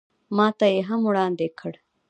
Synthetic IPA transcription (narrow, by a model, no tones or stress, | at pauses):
mɑːt̪ajeɦɐmuɽaːnd̪ekʰəɽ